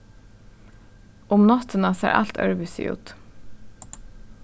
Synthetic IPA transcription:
ʊmnɔt̪ʰənɑsæ̰ːɾʔɑ̰lt̪ʰœ̰ɹʋʉsʏ̰ʔʉ̰ːt̪

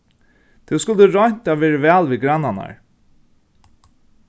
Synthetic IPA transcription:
t̪ʰuwskʊlt̪əɹɔɲ̥t̪aːʋɛːɹəvɛːlʋiːɡɾanːana̰ɹ

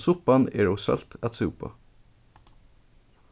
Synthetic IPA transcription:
sʊpɑnḛːɹoːsœ̰lt̪ʰæt̪seʊpʰɑ̰

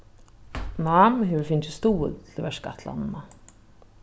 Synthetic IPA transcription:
naːmɦɛvʏɾfɪnt͡ɕɪst̪uːʏ̰ðt̪ʰɪlvɛʂka̰ht̪la̰nna

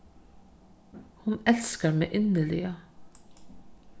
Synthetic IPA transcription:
hʊnɛlskəɾmɛʔɪnːəɭɪɡə

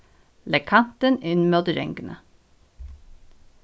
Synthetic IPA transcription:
lɛkʰɑnt̪ənɪnmoːd̪ɾɛ̰ŋɡənʔə̰

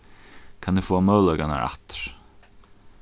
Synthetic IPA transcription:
kʰanɪfɔːamœwlœkana̰ɾa̰ht̪ɾ̥

